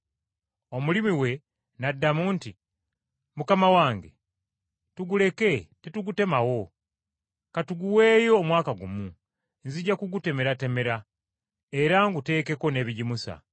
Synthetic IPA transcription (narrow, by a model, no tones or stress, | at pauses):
o̞mulimiwe̞ | nadːamuːnti | mukamawaːŋɡe̞̰ | tuɡule̞ke̞tetuɡute̞mawo̞ | katuɡuwe̞ːjo̞ːmwaːkaɡumu | nziɟːakuɡute̞me̞ɾate̞me̞ɾa | e̞ɾaŋɡute̞ːke̞ko̞ne̞ːβiɟimusa̰